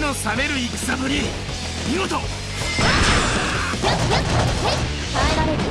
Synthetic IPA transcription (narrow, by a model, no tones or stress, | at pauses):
no̞same̞ɾɯ̟ikɯ̥sabɯ̟ɾʲi | mʲiɡot̪o